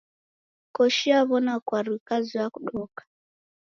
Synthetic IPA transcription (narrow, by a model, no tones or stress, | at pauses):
kɔʃiaβɔnakwaɾwikaziwakuɗɔkḁ